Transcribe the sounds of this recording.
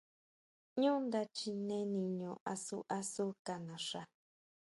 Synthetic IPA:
ɲũ˦nd̪a˧t͡ʃi˧nẽ˦nĩ˧ɲõ˧˨ʔa˧su˦ʔa˧su˦ka˧nã˨ʂa˧

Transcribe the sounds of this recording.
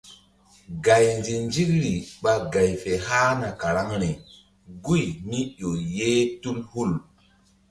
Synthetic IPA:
ɡa˨jnd͡ʒi˨nd͡ʒi˦kɾi˨ɓa˦ɡa˨jfe˨haː˦na˨ka˨ɾa˦ŋɾe˨ | ɡu˦˨jmi˦ɗo˨jeː˦tu˦lhu˦˨l

